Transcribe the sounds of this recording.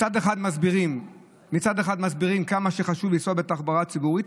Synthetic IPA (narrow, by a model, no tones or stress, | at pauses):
ad̪eχad̪mazbiʁim | mit͡sad̪eχad̪mazbiʁimkamaʃeχaʃuvlisobet̪aχbaʁat͡siɡuʁit̪